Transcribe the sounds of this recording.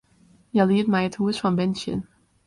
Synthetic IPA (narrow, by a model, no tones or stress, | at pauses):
jalid̚maɪtʰuz̥fɹɔ̃mbɛ̃nʃə̰̃n